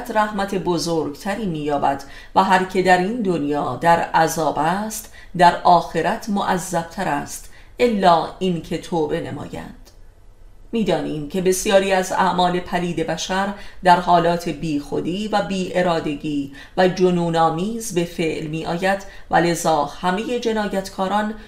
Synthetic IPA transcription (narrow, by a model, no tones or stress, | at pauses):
t̪ʰɾæhmæt̪ʰe̞bo̞zoːɾɡt̪ʰæɾiːmiːjɒːbæ̰d̪̥ | væɦæɾcʰe̞d̪æɾind̪o̞njɒːd̪æɾʔæzɒːbæst̪ | d̪æɾʔɒːxe̞ɾæt̪ʰmoʔæzːæb̥̚t̪ʰæɾæst̪ | ʔe̞lːɒːincʰe̞t̪ʰoːbe̞nḛmɒ̰ːjæ̰nd̪̥ | miːd̪ɒːniːmcʰe̞be̞sjɒːɾiːæzæ̰ʔmɒːle̞pʰæliːd̪e̞bæʃæɾd̪æɾhɒːlɒːt̪ʰe̞biːxo̞d̪iːvæbiːʔe̞ɾɒːd̪e̞ɟiː | væd͡ʒonuːnɒːmiːzbe̞fe̞ʔlmiːʔɒːjæd̪̥væ̰le̞zɒːhæme̞je̞d͡ʒe̞nɒːjæt̪ʰkʰɒːɾɒːn